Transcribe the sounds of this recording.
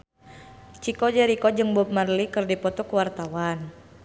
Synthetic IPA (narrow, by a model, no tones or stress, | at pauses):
t͡ʃikɔd͡ʒɛɾikɔd͡ʒɨŋbɔp̚marlikərdipɔt̪ɔkəwart̪awan